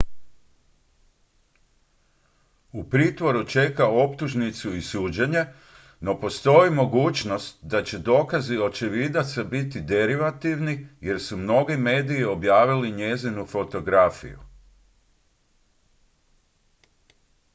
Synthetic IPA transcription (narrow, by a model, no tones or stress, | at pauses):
upɾiːt̪ʋo̞ɾut͡ʃe̞kao̞pt̪uʒnit̪suisuːd͡ʑeɲe̞ | no̞po̞st̪o̞jimo̞ɡuːt͡ʃno̞st̪̚d̪at͡ɕe̞d̪o̞ːkazio̞t͡ʃeʋid̪at̪sabit̪id̪e̞ɾiʋat̪iʋnije̞ɾsumno̞ɡime̞ːd̪ijio̞bjaːʋiliɲe̞zinufo̞t̪o̞ɡɾafḭjṵ